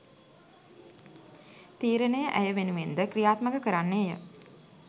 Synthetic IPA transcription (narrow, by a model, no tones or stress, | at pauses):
t̪iːɾənəjəʔæjəʋenuʋend̪əkrijaːt̪məkəkəɾanːejə̰